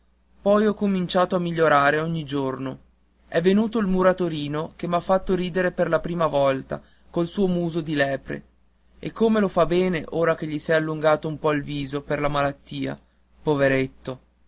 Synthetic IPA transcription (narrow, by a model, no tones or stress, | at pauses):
pɔjɔkːomint͡ʃaːt̪oamːiʎːoɾaːɾeɔɲːid͡ʒorno | ɛvːenuːt̪oilmuɾat̪oɾiːnokemafːat̪ːoɾiːd̪eɾeperlapɾiːmavɔlt̪a̰ | kolsuːomuːzod̪ilɛːpɾḛ | ekːomelofabɛːneʔoːɾakeʎːisɛalːuŋɡaːt̪oumpɔilviːzoperlamalat̪ːiːa̰ | poveɾet̪ːo